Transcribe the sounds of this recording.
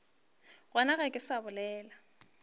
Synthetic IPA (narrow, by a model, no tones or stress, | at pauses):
ɣwanaɣɛkʼɪsabʊlɛːla